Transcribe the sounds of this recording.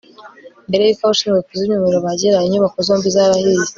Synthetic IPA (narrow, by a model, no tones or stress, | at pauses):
mbe̞ɾejikauʃiːŋɡekuzimɲume̞ɾoβaɟeɾaiɲuβakozo̞ːmbizaːβahize